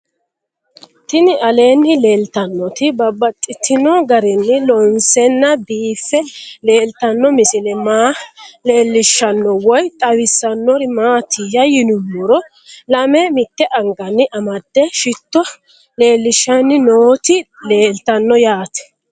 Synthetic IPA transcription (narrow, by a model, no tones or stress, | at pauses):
t̪ɪnɪʔɐle̞ːnːɪle̞ːlt̪ɐnːɔt̪ɪbɐbɐt̪ʼːɪt̪ːɪnɔɡɐɾɛnːɪlɔnsɛnːɐbiːfːɛle̞ːlt̪ɐnːɔmɪsɪlɛmaːle̞ːlːɪʃːɐnːɔwɔjt̪ʼɐwɪsːɐnːɔɾɪmaːt̪ʰɪjɐjɪnʊmːʊɾɔ | lɐmɛmɪt̪ːɛʔɐŋɡɐnːɪʔɐmɐd̪ːɛʃɪt̪ːɔ | le̞ːlːɪʃːɐnːɪnoːt̪ɪle̞ːlt̪ɐnːɔjaːt̪ɛ̥